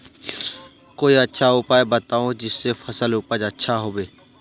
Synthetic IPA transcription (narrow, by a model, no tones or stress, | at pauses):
koːiːətːʃʰaɦuːpaːebət̪aːõːd͡ʒɪsːeːfʰəsəlʊpəd͡ʒətːʃʰaɦoːʋeː